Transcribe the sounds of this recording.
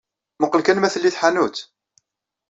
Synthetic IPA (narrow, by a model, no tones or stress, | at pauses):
məqːəlkænmæθəlːiθħanut̪